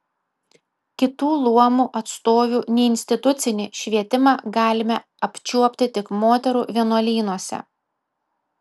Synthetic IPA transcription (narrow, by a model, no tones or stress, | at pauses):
kʲɪt̪uːlˠuɔmuːʔɐt̪st̪oːʋʲuːnʲɛɪɪnʲsʲt̪ʲɪt̪ʊt̪sʲɪnʲɪʃʲʋʲiɛt̪ʲɪmɑːɡɑːlʲɪmʲɛ | ɐpʲt͡ʃʲuɔpʲt̪ʲɪt̪ʲɪkmoːt̪ʲɛɾuːʋʲiɛnuɔlʲiːnuɔsʲɛ̰